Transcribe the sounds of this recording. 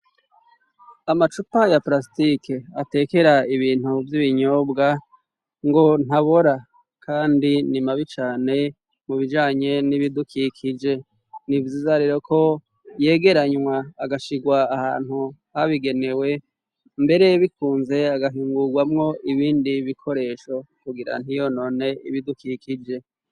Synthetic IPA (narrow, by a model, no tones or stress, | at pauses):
amat͡ʃupajaplas̬itikeate̞ːke̞ɾaiβiːn̥uvjiβiɲoːbɡa | ŋɡo̞n̥aβoɾa | kʰaːndinimaβit͡ʃaːne̞ | muβid͡ʒaːɲe̞niβidukʰikʰid͡ʒe̞ | nivjiːzaɾiɾokʰo̞ | je̞ːɡe̞ɾaɲwaːɡaʃiɡwaːha̰ːn̥huhaβiɡe̞ne̞we̞ | mbe̞ɾe̞jβikʰuːnze̞aɡaɦiːŋɡuɡwamŋo̞ʔiβiːndiβikʰo̞ɾe̞ːʃo̞kuɡiɾa̰n̥hijo̞no̞ːne̞ḭβidukikid͡ʒe̞